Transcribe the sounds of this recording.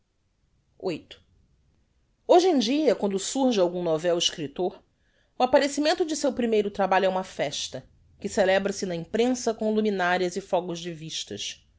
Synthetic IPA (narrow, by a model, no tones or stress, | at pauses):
ojt̪ʊ̥ | oʒẽd͡ʒiɐkwɐ̃nd̪ʊsuɾʒɪawɡũnovɛwɪʃkɾit̪oɾ | ʊapaɾesimẽnt̪ʊd͡ʒɪsewpɾimejɾʊt̪ɾabaʎʊɛũmɐfɛʃt̪ɐ | kɪselɛbɾɐsɪnɐĩpɾẽsɐkõluminaɾiɐzɪfɔɡʊʒd͡ʒɪviʃt̪ɐ̰ʃ